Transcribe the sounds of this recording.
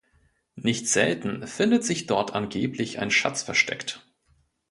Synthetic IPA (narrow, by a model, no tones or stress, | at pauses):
nɪçtz̥ɛ̰ltn̩fɪndətz̥ɪçd̥ɔɐtʔanɡeːplɪçʔa̰ɪnʃa̰t͡sfɛɐʃtʰɛ̰kt